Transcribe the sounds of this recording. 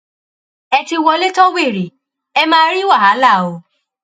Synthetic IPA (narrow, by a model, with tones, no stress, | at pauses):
ɛ˧ti˧wɔ˧le˦tɔ˦we˦˨ɾi˨ | ɛ˧mãː˦˧˦ɾi˦wa˦˨a˨˦la˦˨o˧